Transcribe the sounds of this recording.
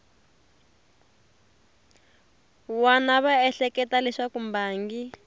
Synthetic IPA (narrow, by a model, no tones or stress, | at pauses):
wanaβaɛɬɛkɛtalɛʂakumbaːŋɡi